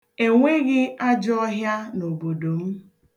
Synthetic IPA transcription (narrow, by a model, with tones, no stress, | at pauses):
e˨ŋʷe˦ɣɪ˦a˦d͡ʒɔ˦ɦja˦no˨bo˨do˨m̩˦